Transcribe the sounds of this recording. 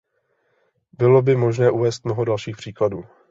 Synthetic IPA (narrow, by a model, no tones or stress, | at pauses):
bɪlo̞bɪmo̞ʒnɛːʔuvɛːst̪̚mnoɦodalʃiːxpr̥iːkladuː